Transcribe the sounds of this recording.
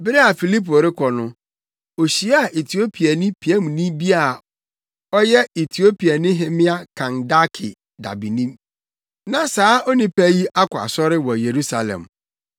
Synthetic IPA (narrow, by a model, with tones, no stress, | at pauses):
bɪ˦ɾe˦a˨fi˨li˦po˨ɾɪ˦kʰɔ˨nʊ̃˦ | o˨ɕi˨˦a˨ʔe˨tʰi˨o˦pʰi˨a˨nɪ̃˦pʰi˨ɛ˦m̃˨nĩ˦bi˦a˦˨ | ɔ˦jɛ˦e˨tʰi˨o˦pi˨a˨nɪ̃˦ɦɪ̃˦mɪ̃˦a˦kʰã˨nda˦kʰɪ̰˨ | da̰˨bi˨nĩ˦m | nã˨saː˨˦ɔ˦nĩ˦pæ˦ji˦ʔa˦kʰʷʊ˨a̰˨sɔ˦ɾɪ˦wɔ˨je˨ɾu˦sa˨lɛ̰̃˨m